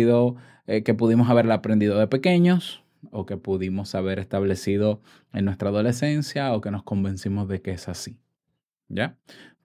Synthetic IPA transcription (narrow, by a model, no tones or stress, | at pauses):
iðo | eke̞puðimo̞s̬aβeɾelapɾend̪iðo̞ðe̞pe̞ke̞ɲo̞s | oke̞puðimo̞saβ̞e̞ɾe̞st̪aβle̞siðo̞ | e̞nwe̞st̪ɾaːðo̞le̞se̞nsjaoke̞no̞sko̞mbẽ̞nsimo̞zðe̞keesasi | ɟa